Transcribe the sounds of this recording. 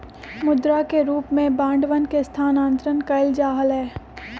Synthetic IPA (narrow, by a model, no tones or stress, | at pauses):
mʊd̪ɾakeɾuːpmẽbãːɳɖʋənkest̪ʰaːnãːnt̪ɾənkɐɪld͡ʒaːɦəlɦɛː